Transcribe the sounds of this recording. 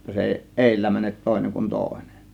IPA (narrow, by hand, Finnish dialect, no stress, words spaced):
j̆otːɑ se eˑi ʔeˑilːæ mænet toˑe̝neŋ kun toˑe̝ne̥n̥